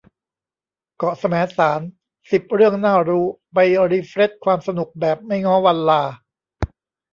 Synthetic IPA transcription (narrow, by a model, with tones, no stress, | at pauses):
kɔ˨˩sa˧mɛː˩˦saː˩˦n | si˨˩p̚ɾɯ˥˩əŋnaː˥˩ɾuː˦˥pa˧jɾi˦˥fɾe˦˥t̪̚kʰwaː˧msa˧nu˨˩k̚bɛː˨˩p̚ma˥˩jŋɔ˦˥wa˧nlaː˧